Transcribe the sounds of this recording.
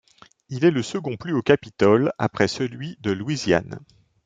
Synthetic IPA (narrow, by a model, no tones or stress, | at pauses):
ilɛləsəɡɔ̃plyokʲapit̪ɔla̰pχɛsəlɥid̪əlwizja̰n